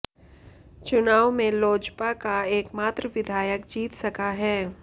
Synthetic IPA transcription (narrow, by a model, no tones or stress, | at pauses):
t͡ʃʊnaːʋmẽloːd͡ʒpakaeːkmaːt̪ɾəʋɪd̪ʱaːjəkd͡ʒiːt̪sɐkaɦɛː